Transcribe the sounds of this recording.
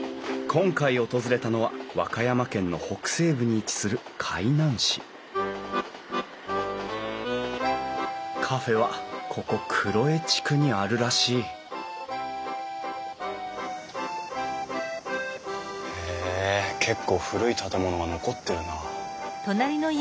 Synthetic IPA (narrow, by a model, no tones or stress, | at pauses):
kʰõ̞ŋkaio̞t̪o̞zɨɾe̞t̪ano̞βaβa̰kajamakẽ̞nːo̞ho̞kɯ̟̥se̞ːbɯ̟ɲ̟iːt͡ɕi̥sɨɾɯ̟kʰainãɰ̃ɕi | kʰaɸe̞β̞akʰo̞ko̞kʰɯ̟ɾo̞e̞t͡ɕi̥kɯ̟ɲ̟iaɾɯ̟ɾaɕiː | ekʰe̞kːo̞ːɸɯ̟ɾɯ̟it̪ʰat̪e̞mo̞no̞ɡano̞ko̞t̪ːe̞ɾɯ̟nat̪onaɾʲino